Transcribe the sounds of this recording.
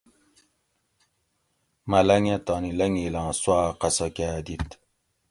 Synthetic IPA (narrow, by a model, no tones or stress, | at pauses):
mɐlɐŋẽt̪ɑnilɐŋilãːswaːqɐsɐkaːd̪it̪